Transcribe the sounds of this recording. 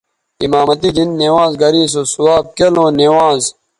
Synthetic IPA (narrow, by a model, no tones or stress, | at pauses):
imaːmɐt̪id̪inːeːwãːzɡɐɾiːs̬oːsuaːb̚kɐlõːnewãːz